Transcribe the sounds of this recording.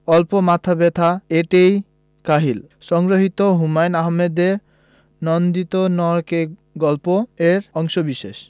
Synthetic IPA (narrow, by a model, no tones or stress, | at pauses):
ɔlpomat̪ʰabet̪ʰaeʈej | kaɦil | sɔŋɡɾoɦit̪oɦumajnaɦmed̪eɾ | nɔnd̪it̪onɔɾkeɡɔlpoeɾɔŋʃɔbiʃḛʃ